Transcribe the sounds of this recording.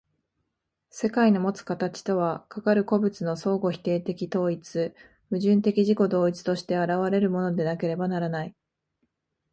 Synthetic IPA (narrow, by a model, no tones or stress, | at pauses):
se̞kaino̞mo̞t͡sɨ̥kat̪at͡ɕi̥t̪o̞β̞akakaɾɯ̟ko̞bɯ̟t͡sɨno̞so̞ːɡo̞çi̥t̪e̞ːt̪e̞kʲit̪o̞ːit͡sɨ | mɯ̟ʑɨ̃nt̪e̞kʲiʑiko̞d̪o̞ːit͡sɨ̥t̪o̞ɕi̥t̪e̞aɾaβ̞aɾe̞ɾɯ̟mo̞no̞d̪e̞nake̞ɾe̞banaɾanai